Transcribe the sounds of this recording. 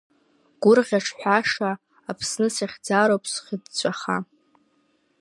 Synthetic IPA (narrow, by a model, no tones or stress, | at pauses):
ɡ̥ʊrʁʲaʈ͡ʂʰħʷᶣaʂaː | pʰsnɨsaχʲd͡zaɾowpʰʼsχʲədt͡ɕʷʼaχa̰